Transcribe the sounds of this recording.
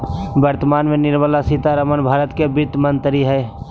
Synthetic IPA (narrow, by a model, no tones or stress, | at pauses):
bəɾt̪əmaːnmẽnɪɾməlasit̪aɾəmənbʱaːɾət̪kebɪt̪mənt̪ɾiɦɛː